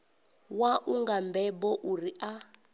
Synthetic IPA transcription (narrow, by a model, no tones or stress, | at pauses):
waʔuŋɡambɛbɔʔuriʔa